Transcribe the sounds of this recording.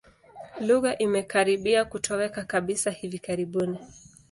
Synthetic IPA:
luɣaʔimɛkaɾiɓiakutʰɔwɛkakaɓisahivikaɾiɓuni

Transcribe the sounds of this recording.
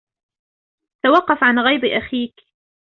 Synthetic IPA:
t̪awɑqːɑfʕanɣajbʔaxiːk

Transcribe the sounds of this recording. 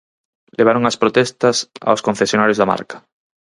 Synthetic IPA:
leβ̞aɾoŋɐspɾot̪ɛst̪ɐsa̰oskõn̟θesjonaɾjozðama̰ɾkḁ

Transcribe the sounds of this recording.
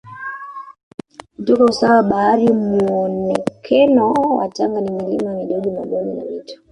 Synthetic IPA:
tɔkɔusawaɓaaɾimuɔnɛkʰɛnɔwa̰taŋɡanimilimamiɗɔɡimaɓɔnina̰vitɔ̥

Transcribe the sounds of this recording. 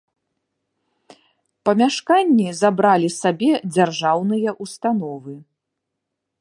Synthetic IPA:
pɐmʲaʂkanʲːizabɾalʲisabʲɛd͡zʲarʐawnɨjɐʔust̪anɔvɨ

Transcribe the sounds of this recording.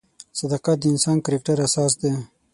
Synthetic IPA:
sɐd̪ɑqat̪̚d̪ɪnsɑːnkəɾekʈaɾasɑːs̬d̪e

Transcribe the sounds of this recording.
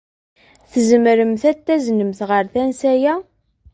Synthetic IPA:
θəzəmɾəmθæt̪ːæznəmθʁəɾθænsæjæ

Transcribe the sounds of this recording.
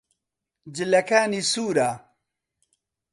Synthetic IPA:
d͡ʑilɐkaːnisuːɾaː

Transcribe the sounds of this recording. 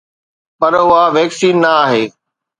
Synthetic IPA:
pɐɾʊɦaʋɛːksiːnːɐaːɦeː

